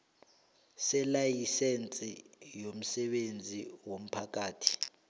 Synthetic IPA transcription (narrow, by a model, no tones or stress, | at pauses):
sɛlajisent͡sʼijom̩sɛɓend͡zʱiwom̩pʰak̬ʼaːtʰi̥